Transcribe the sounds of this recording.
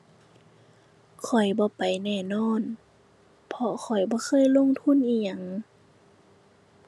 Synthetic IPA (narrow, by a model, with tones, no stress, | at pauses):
kʰɔ˨˩jbɔː˧˦pa˨jnɛː˧˩˨nɔː˧˥˨n | pʰɔ˧kʰɔ˨˩jbɔː˧˦xʰɤː˧˥˨jlo˧˥˨ŋt̪ʰu˧˥˨nʔiː˧˩ɲa˧˩ŋ